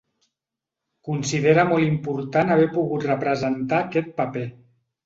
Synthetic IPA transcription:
kunsiðeɾəmɔlˠimpuɾt̪anaβ̞ɛpuɣut̪rəpɾəzənt̪aːkɛt̪̚pape

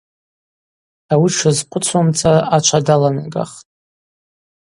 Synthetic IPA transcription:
awiʈ͡ʂʰɨzqʷʰʼʊt͡sʰamt͡sʰʼaat͡ʃʷʰadalana̰ɡa̰χtʼ

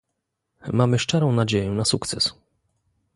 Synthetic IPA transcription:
mamɘʂt͡ʂɛɾɔ̃w̃nad͡ʑejɛnasukt̪sɛs

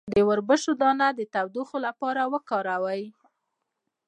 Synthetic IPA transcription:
d̪əwəɾbəʃod̪ɑnad̪ət̪awd̪uxolapɑɾawəkɑɾawəj

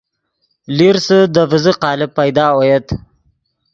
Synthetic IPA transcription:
liɾsəd̪əvɪziqɑːlɪb̚pːajd̪ɑːwojət̪

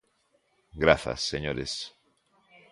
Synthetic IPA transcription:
ɡɾaθa̰sːeɲoɾes

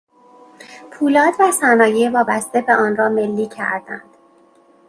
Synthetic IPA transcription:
pʰuːlɒːd̪væsænɒːjevɒːbæst̪e̞be̞ʔɒːnɾɒːme̞lːiːcʰæ̰ɾd̪æ̰nd̪̥

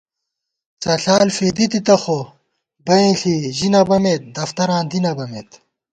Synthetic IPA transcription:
t͡sɐɬaːlfeːd̪it̪it̪ɐxo | bɐĩːɬʰiʑinɐbɐmet̪̚d̪ɐft̪ɐɾãːnd̪inɐbɐmeːt̪

